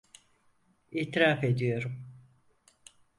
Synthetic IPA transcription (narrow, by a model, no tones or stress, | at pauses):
iːt̪ɾaːfe̞d̪ijo̞ɾum